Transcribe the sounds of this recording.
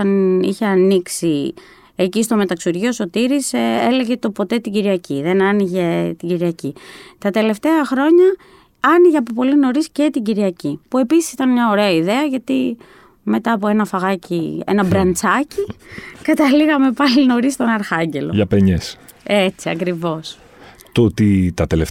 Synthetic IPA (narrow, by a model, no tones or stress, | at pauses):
ɐnḭçe̞ɐniksi | ecist̪o̞me̞t̪ɐksuɾʝio̞so̞t̪iɾisele̞ɣe̞t̪o̞po̞t̪e̞t̪iɟiɾiɐciðe̞nɐniʝe̞t̪iɟiɾiɐcit̪ɐt̪e̞le̞ft̪e̞ɐxɾo̞ɲɐ | ɐniʝeɐpopo̞lino̞ɾiscet̪iɟiɾiɐcipue̞pisi̥sit̪ɐnmɲɐo̞ɾe̞ɐiðe̞ɐʝɐt̪i | me̞t̪ɐːpo̞e̞nɐfɐɣɐciḛnɐbɾɐnt͡sɐcikɐt̪ɐliɣɐme̞pɐlino̞ɾist̪o̞nɐɾxɐɲɟe̞lo̞ʝɐpeɲes | e̞t͡siɐkɾivo̞s | t̪ot̪it̪ɐt̪ele